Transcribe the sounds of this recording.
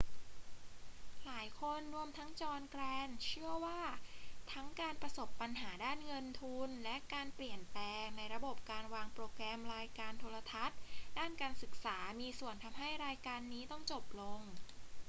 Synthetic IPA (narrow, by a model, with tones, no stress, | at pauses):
laː˩˦jkʰo˧nɾu˧əmt̪ʰa˦˥ŋt͡ɕɔː˧nklɛː˧nt͡ɕʰɯ˥˩əwaː˥˩t̪ʰa˦˥ŋkaː˧npɾa˧so˨˩pːa˧nɦaː˩˦daː˥˩nŋɤ˧nt̪ʰu˧nlɛ˦˥ʔkaː˧npli˨˩ənplɛː˧ŋna˧jɾa˧bo˨˩p̚kaː˧nwaː˧ŋpɾoː˧kɾɛː˧mɾaː˧jkaː˧nt̪ʰoː˧la˧t̪ʰa˦˥t̪̚daː˥˩nkaː˧nsɯ˨˩k̚saː˩˦miː˧su˨˩ənt̪ʰa˧mɦa˥˩jɾaː˧jkaː˧nːiː˦˥t̪ɔ˥˩ŋt͡ɕo˨˩p̚lo˧ŋ